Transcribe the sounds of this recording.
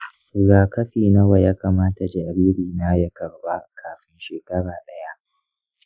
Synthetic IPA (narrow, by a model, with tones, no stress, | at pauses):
zaː˨kɐ˦ɸiː˨nɐ˦wa˨jaː˦kaː˨maː˦ta˨d͡ʒɛ˨ʔa˨ɾiː˦ɾiː˨naː˦jɐ˦kɐ˨rba˦kʰaː˨ɸɪ˦nʃeː˨kɐ˦ɽaː˨ɗɐ˦ja˦ʔ